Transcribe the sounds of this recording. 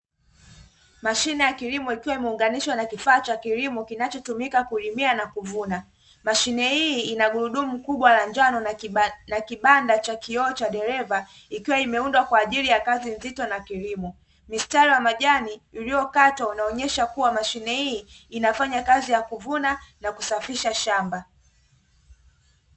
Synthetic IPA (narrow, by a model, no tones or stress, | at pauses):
maʃinɛjakilimɔikiwaimɛuŋɡaniʃwanakifaːt͡ʃakilimɔkinat͡ʃɔtumikakulimianakuvuna | maʃinɛhiːnaɠuɾuɗumukuɓwalaɲd͡ʒanɔnakiɓandat͡ʃakiɔːt͡ʃaɗɛɾɛva | ikiwaimɛundwakwaːʄilijakazinzitɔnakilimɔ | mistaɾiwamaʄaniuliɔkatwaunaɔɲɛʃakuwamaʃinɛhiːnafaɲakazijakuvunanakusafiʃaʃamba